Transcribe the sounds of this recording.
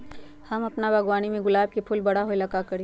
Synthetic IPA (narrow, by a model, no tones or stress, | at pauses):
hɐmɐpnabʱɐɡwaːnimẽɡʊlaːb̚kepʰʊlbɐɽ̤aɦoilɐkakɐɽeː